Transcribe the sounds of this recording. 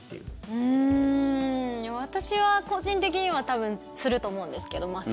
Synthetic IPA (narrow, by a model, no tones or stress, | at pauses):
ɯ̃ | β̞at̪aɕiβako̞ʑĩnt̪e̞k̬ʲiɲ̟iβ̞at̪aβɯ̟̃n | sɨɾɯ̟t̪o̞ːmoɯ̟̃nd̪e̞sɨ̥ke̞d̪o̞ma